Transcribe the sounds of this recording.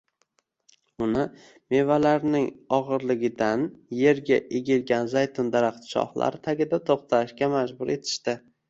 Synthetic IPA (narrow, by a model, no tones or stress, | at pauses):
ʊnɪ | me̞valaɾnɪŋɒʁɨɾlɪɡʲɪd̪anje̞ɾɡʲaʔeɡʲɪlɡʲanzajt̪ʰʊnd̪aɾaχt̪ʃɒ̰hlˠa̰ɾɪt̪ʰaɡʲɪd̪at̪ʰoχt̪ʰaʃkʲamad͡ʒbʊɾe̞t̪ʰɪ̥ʃt̪ɪ